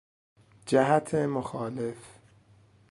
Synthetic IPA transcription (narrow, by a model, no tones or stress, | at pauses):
d͡ʒæɦæt̪ʰemoxɒːlef